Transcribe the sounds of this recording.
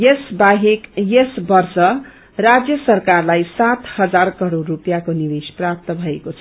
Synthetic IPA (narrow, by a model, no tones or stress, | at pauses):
jesbaɦekjesbʌrsʌ | rad͡zjʌsʌrkarlajsat̪hʌd͡zarkʌɾorːupjakonibesprap̚t̪ʌbʱʌekot͡sʰʌ